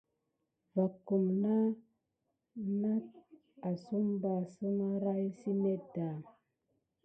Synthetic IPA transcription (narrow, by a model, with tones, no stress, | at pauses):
va˨kːu˨mna˦ | na˦t̚ | a˨su˦mba˨sə˦ma˦ɾa˦jsi˦me˦da˨